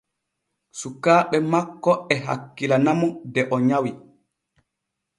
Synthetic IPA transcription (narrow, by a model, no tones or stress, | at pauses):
sukaːɓɛmakːɔɛɦa̰kːilanamɔdɛʔɔɲawi